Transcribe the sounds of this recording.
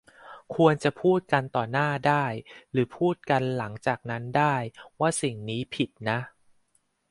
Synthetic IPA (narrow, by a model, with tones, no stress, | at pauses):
kʰu˧ənt͡ɕa˨˩pʰuː˥˩t̪̚ka˧nt̪ɔː˨˩naː˥˩daː˥˩jɾɯː˩˦pʰuː˥˩t̪̚ka˧nla˩˦ŋt͡ɕaː˨˩k̚na˦˥ndaː˥˩jwaː˥˩si˨˩ŋniː˦˥pʰi˨˩t̪̚na˦˥ʔ